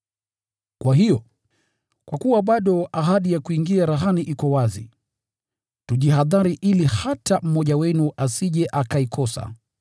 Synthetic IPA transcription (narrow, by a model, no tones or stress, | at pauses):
kwaɦijɔ | kwakuwaɓaɗɔaɦaɗijakuiŋɡiaɾaɦaniʔikɔwazḭ | tuʄiɦaðaɾiʔilihatam̩mɔʄawɛnuʔasiʄɛʔakaikʰɔsa̰